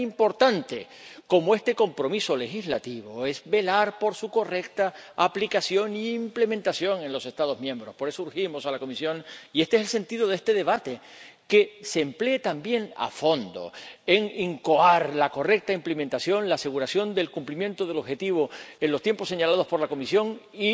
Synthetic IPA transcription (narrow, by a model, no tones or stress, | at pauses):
impo̞ɾt̪ant̪e̞ | ko̞moe̞st̪e̞ko̞mpɾo̞miso̞le̞xizlat̪iβo̞e̞zbe̞laɾpo̞ɾsuko̞re̞k̚t̪aːplikasjo̞ŋiːmple̞mẽnt̪asjo̞ŋe̞nlo̞se̞st̪að̞o̞zmjẽmbɾo̞spo̞ɾe̞souɾximo̞salako̞misjo̞ŋie̞st̪ees̬else̞nt̪iðo̞ðest̪e̞ðe̞β̞at̪e̞ke̞seːmple̞ːt̪ambje̞ŋa̰fo̞nd̪o̞̰e̞ŋiŋko̞aɾlako̞re̞k̚t̪aimplement̪asjo̞nlaːse̞ɣ̞uɾasjo̞nd̪e̞lkumplimjẽ̞nt̪oð̞e̞lo̞βxe̞t̪iβ̞o̞e̞nlo̞st̪je̞mposːe̞ɲalað̞opo̞ɾlako̞misjo̞ŋi